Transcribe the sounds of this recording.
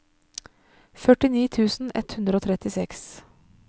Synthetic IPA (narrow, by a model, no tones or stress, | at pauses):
fœʈɪniːt̪ʰʉːsn̩ɛ̰t̪hʉnd̪ɾəoːt̪ʰɾɛt̪ɪsɛks